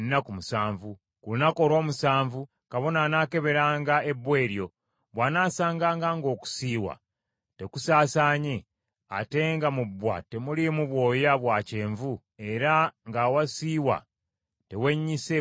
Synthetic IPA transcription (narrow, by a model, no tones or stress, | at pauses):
nːakumusaːɱvu | kulinako̞ɾo̞ːmusaːɱvu | kaβo̞nanaːke̞βe̞ɾaːŋɡae̞bːwe̞ːɾjo̞ | βwanaːsaːŋɡaːŋɡaŋɡo̞ːku̥siːwa̰ | te̞kusaːsaːɲe̞ | a̰te̞ŋɡamubːwa̰te̞mulimuβwo̞ːjaβwace̞ːɱvu | e̞ɾaŋɡawasiːwa̰ | te̞we̞ɲːise